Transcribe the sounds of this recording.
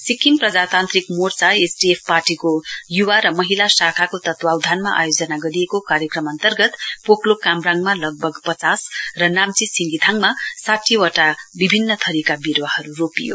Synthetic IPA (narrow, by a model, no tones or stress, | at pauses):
sikːinprʌd͡zat̪ant̪rikmort͡saesɖiepʰparʈikojuwaɾʌmʌɦilasakʰakot̪ʌt̪wawd̪ʱanma̰ʔa̰jod͡zʌnaɡʌɾijekokaɾjʌkrʌmʌnt̪ʌrɡʌt̪poklokamraŋmalʌɡ̚bʱʌɡpʌt͡sasrʌnamt͡sisiŋɡit̪ʰaŋmasaʈʰiwʌʈabibʱinːʌt̪ʰʌɾikabiɾwahʌɾuropijo̰